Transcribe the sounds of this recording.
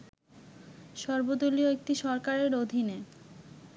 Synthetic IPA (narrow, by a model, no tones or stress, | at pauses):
ʃɔɾbod̪olioek̚ʈiʃɔɾkaɾeɾod̪ʱine